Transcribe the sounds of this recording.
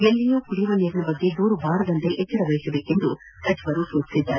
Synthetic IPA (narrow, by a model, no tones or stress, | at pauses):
ɡelːijoːkuɽiʋɐniːɾɐnɐbɐɡːe̞d̪uːɾubaːɾɐd̪ɐnt̪eʔɛt͡ʃːɐɾɐʋɐjisɐbe̞ːke̞nd̪u | tɐd͡ʒiʋɐɾusuːt͡ʃi̥sid̪ːaːɾe